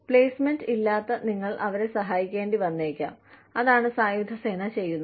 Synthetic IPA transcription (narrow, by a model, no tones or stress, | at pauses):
pɭe̞ːsme̞ndilːaːt̪ːɐniŋːɐɭʔɐʋɐɾe̞sɐɦaːjikʲːe̞ːnɖiʋɐnːeːkʲːa̰ːmɐðaːɳɨsaːjud̪ʱɐse̞ːnɐt͡ɕe̞jːunːu